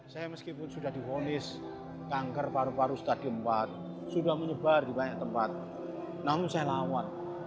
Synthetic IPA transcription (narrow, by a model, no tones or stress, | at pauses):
sajaməskipʊnsudahdiɦonɪs | kaŋkərpaɾupaɾust̪ad̥iəmpat̪̚ | sudahməɲəbardibaɲaʔ̚t̪əmpat̪̚ | namʊnsajalawan